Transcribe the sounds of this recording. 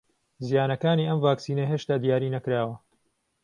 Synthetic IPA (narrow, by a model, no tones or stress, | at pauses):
zijaːnɐkaːniːʔɐmvaːksiːnɐɦeːʃt̪aːd̪ijaːɾiːnɐkɾaːwɐ